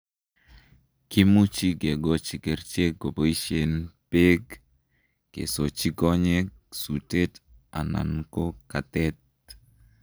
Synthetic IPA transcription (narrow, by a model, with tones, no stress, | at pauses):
ki˦mu˦t͡ʃi˦ɡe˨ɡɔ˨t͡ʃi˨ke˨ɾt͡ʃe˦ɡo˨bo˨i˦ʃe˨npe˦ɡ | kḛ˨so˨t͡ʃiɡɔ˦ɲe | su˨te˦ta̰˨na̰˨nko˦ka˨t̪ɛ˦t̪̚